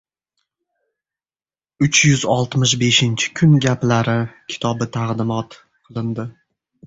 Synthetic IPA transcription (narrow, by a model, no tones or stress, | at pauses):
ʊt͡ʃjʊzɒlˠt̪mɪʃbe̞ʃɪnt͡ʃʰɪ̥kʰʊnɡʲaplaɾɪkʲʰɪ̥t̪ʰɒbɪt̪ʰaʁd̪ɪmɒt̪ | qʰɨlˠɪnd̪ɪ